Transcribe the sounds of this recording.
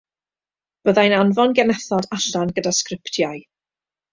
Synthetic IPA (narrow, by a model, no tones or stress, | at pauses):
b̥əðajnanvɔnɡɛnɛθɔdaɬanɡədaskrɪptʰjaɨ